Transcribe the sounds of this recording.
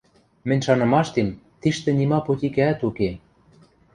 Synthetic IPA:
mɘ̆nʲʃɑnɤ̆mɑʃt̪emt̪iʃt̪ĕnʲimɑpot̪ʲikæːt̪uke

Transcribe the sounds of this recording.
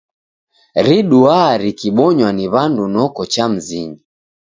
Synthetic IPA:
ɾiɗuaɾikiɓɔɲwaniβandunɔkɔt͡ʃam̩ziɲi

